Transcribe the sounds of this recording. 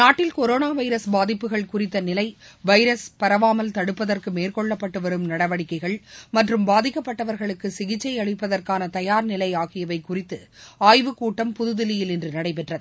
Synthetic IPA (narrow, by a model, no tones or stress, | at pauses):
naːʈːɪlkɔɾoːnaːʋɐɪɾɐsbaːðɪpːɯɣɐɭkʊrɪt̪ːɐnɪlɐɪʋɐɪɾɐspɐɾɐʋaːmɐlt̪ɐɽɯpːɐðɐrkɯmeːrkɔɭːɐpːɐʈːɯʋɐɾɯmnɐɽɐʋɐɽɪkːɐɪɣɐɭmɐʈrɯmbaːðɪkːɐpːɐʈːɐʋɐɾɣɐɭɯkːɯsɪɣɪt͡ʃːɐɪɐɭɪpːɐðɐrkaːnɐt̪ɐjaːɾnɪlɐɪaːɣɪjɐʋɐɪkːʊrɪt̪ːɯ | aːjʋɯkːuːʈːɐmpʊðɯðɪlɪjɪlɛndrɯnɐɽɐɪp̬ɛʈrɐðɯ